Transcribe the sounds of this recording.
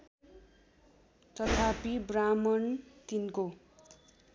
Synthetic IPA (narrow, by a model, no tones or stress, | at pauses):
t̪ʌt̪ʰapibramʌnt̪inko